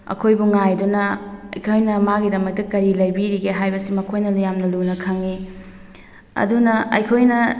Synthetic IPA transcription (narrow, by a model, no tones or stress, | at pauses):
ɐ̰kʰojbuŋajdunɐɐ̰jkʰojnɐmaɡidɐmɐk̚tɐkɐɾilɐjbiɾiɡeɦajbɐsimɐkʰojnɐlujamnɐlunɐkʰaŋi | ɐ̰dunɐɐ̰jkʰojnɐ